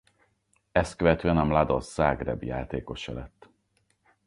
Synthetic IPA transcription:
ɛst̪̚køvɛt̪øːɛnɒmlad̪o̞̰sːaːɡrɛ̰bja̰ːt̪eːko̞ʃɛ̰lɛt̪ː

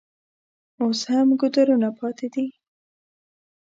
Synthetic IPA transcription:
oshamɡʊd̪aɾunapʰɑt̪ed̪i

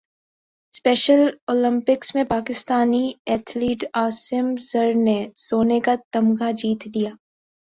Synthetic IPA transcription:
spɛːʃəloːlɪ̃mpɪksmẽpaːkɪst̪aːniɛːt̪ʰliːʈaːsɪmzɐɾnesoːnekat̪ɐmɡad͡ʒiːt̪d̪ijaː

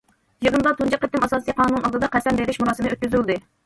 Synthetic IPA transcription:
jɨʁənd̪ɑt̪ʰund͡ʒɑqːət̪ːɪmɑsɑːsijqʰɑːnunɑlˠd̪ɨd̪ɑqɛsɛmbeɾɪʃmuɾɑːsɨmnøt̪̚kʲyzylˠd̪ɨ

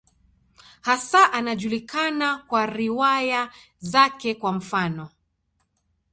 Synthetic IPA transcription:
hasaʔanaʄulikanakwaɾiwaja | zakɛkwam̩fanɔ

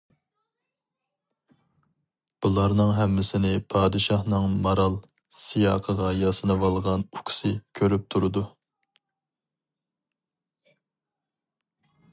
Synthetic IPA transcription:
b̥ulˠɑɾnɨŋɦɛmːɪsɪnɪpʰɑːd̪ɨʃɑhnɨŋmɑɾɑlˠ | sijɑːqʰəʁɑjɑsɨnɨwɑlˠʁɑnukʲʰsɨkʲʰøɾyp̚t̪ʰuɾɨd̪u

